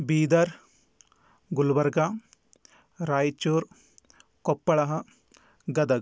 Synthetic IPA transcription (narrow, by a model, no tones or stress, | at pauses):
biːd̪ɐɾ | ɡulbɐɾɡa | ɾaːjt͡ʃuːɾ | kopːɐɭɐɦɐ | ɡɐd̪ɐɡ